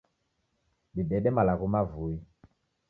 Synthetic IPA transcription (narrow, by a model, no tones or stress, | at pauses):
bidɛɗɛmalakumavui